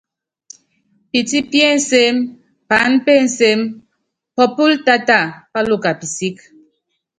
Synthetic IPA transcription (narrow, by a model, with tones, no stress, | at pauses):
pi˨ti˦pje˦n̩˨˦se˦m | pa˨˦npe˦˨n̩˨se˦m | pɔ˦pu˦lta˦ta˦˨pa˦lo˦˨ka˨pi˨si˦k